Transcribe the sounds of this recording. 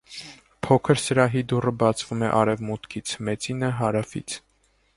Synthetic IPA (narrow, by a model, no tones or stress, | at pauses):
pʰɔkʰəɾsəɾɑɦid̪urəbɑt͡sʰvumɛʔɑɾɛvmut̪kʰit͡sʰmɛt͡sinəɦɑɾɑfḭt͡sʰ